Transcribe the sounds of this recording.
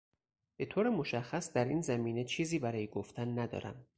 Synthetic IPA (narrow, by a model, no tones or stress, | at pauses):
b̥e̞t̪ʰoːɾemo̞ʃæxːæsd̪æɾḭːnzæmiːne̞t͡ʃʰiːziːbæɾɒːjeɡoft̪ʰænːæd̪ɒ̰ːɾæ̰m